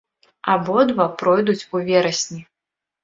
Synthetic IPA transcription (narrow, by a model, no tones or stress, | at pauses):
abɔd̪vapɾɔjd̪ut͡sʲuvʲɛɾɐsʲnʲi